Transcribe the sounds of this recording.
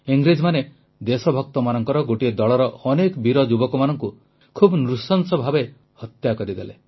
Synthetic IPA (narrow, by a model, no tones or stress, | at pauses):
iŋɡɾed͡ʒmane | d̪esɔbʱɔk̚t̪ɔmanɔŋkɔɾɔɡoʈied̪ɔɭɔɾɔɔnekbiɾɔd͡ʒubɔkɔmanɔŋku | kʰubnɾusɔnsɔbʱabe | hɔt̪jakɔɾid̪ele